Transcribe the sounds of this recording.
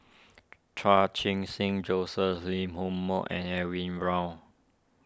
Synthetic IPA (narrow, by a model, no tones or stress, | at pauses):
tʰɹat͡ʃʰĩŋsĩŋd͡ʒosəslĩmhõmːɔʔɛ̰̃nɛwĩnɹãʊ